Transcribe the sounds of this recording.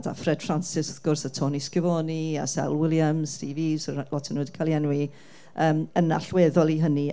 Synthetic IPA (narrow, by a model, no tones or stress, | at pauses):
da̰frɛd̥fransɪsə̥θɡ̥ʊrsatʰɔːniskəvɔːnia̰sɛ̰lˠwɪlˠjamstiːviːsəlɔtʰənuːdikʰalˠjɛnwi | əːməna̰ɬweːðɔlˠiɦəni